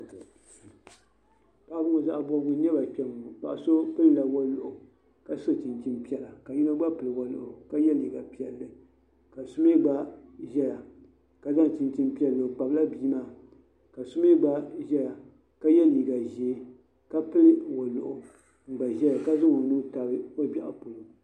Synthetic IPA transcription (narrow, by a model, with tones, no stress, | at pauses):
t | pa˦ʔbʊ˦ŋo˨za˦ʔa˨bɔ˦ɡʊ˦ɲ˦ɛ˦ba˨k͡pʲɛ˨m˨k͡pa̰˨ʔa˨so˦pɨ˦lɨ˨la˨wɔ˦lʊ˨ʔʊ˨ | ka˦so˦tɨ˨nt͡ʃi˨npi˦ɛ˨la˨ka˨ji˦na˦ɡ͡ba˦pɨ˨lɨ˨wɔ˨lʊ̰˨ʔʊ˨ka˦jɛ˦li˨ɡa˨pi˨ɛ˨lːɨ˨ | ka˨sʊ˦me˦ɡ͡ba˦ʒɛ˦ja˨ | ka˨za˦ŋ˨tɨ˨nti˦npi˦ɛ˨lːɨ˨k͡pa˨bla˦biː˦maː˦˨ | ka˨sʊ˦me˦ɡ͡ba˦ʒɛ˦ja˨ | ka˦jɛ˦li˨ɡa˨ʒeː˨˦ | ka˦pɨ˦lɨ˨wo˨lʊ̰˨ʔʊ˨ | ŋ̩˨ɡ͡ba˨ʒɛ˦ja˨ka˦zɨ˦ŋo˨nu˦ta˨bɨ˦o˦bʲa˨ʔa̰˨po˨lo˨